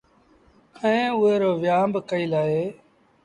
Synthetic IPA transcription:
əẽːʊɦeːɾoːʋjaːmbkəiːlaːɦeː

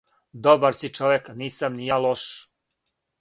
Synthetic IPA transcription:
d̪obaɾsit͡ʃoʋekniːsamnijalˠoʃ

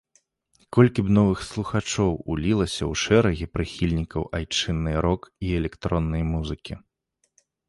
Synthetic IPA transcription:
kɔlʲkʲibnɔvɨxslˠuxat͡ʂɔwulʲilˠɐsʲɐwʂɛɾɐɣʲipɾɨxʲilʲnʲikɐwʔajt͡ʂɨnːɨɾɔkiɛlʲɛkt̪ɾɔnːɐjmuzɨkʲi

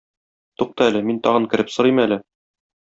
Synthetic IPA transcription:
t̪uq̚t̪ɤælɘmint̪ɒʁɤŋkɘ̆ɾɘpsɤ̆ɾɤjmælɘ

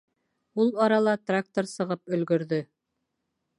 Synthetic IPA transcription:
ulˠɑɾɑlˠɑt̪rak̚t̪oɾsɤ̆ʁɤpɵ̆lɡɵ̆ɾðɵ

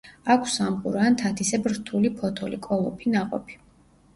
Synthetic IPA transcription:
akʷʰsamχʼṵɾaːnt̪ʰat̪ʰisɛbɾt̪ʰulipʰɔt̪ʰɔlikʼɔlˠɔpʰinaqʼɔ̰pʰi̥

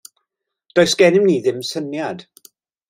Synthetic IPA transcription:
d̥ojsɡ̥ɛnɪmniːðɪmsənjad̥

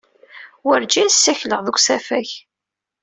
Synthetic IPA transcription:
wəɾd͡ʒinsːæçləʁðəɡʷsæfæç

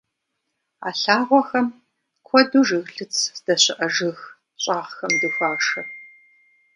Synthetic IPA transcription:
a̰ːɬaːʁʷɔxɐm | kʷʰɔduːʒɨɣɬɨt͡sʰd̥ɐɕɪʔɐʒɨx | ɕʼaːʁxɐmdɨfaːʂɐ

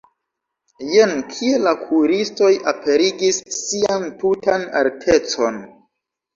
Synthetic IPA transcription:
jenkʰielakʰuɾisto̞japʰe̞ɾiɡisːiantutana̰ltʰe̞t͡so̞n

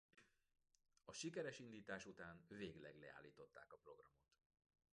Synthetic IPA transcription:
ɒʃikɛɾɛʃind̪iːt̪aːʃut̪aːnveːɡlɛɡlɛ̰a̰ːlːiːt̪o̞t̪ːa̰ːkɒpro̞ɡrɒmo̞t̪

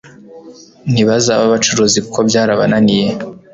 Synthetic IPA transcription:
n̥iβazaːβaβat͡ʃuɾozikʰobjaːɾaβa̰nanije

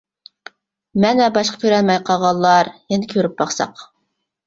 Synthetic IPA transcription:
mɛnɛbɑʃqʰə̥kʲʰøɾɛlmɛjqʰɑʁɑlˠːɑɾjɛnɪkʲʰøɾyp̚bɑχsɑ̰q

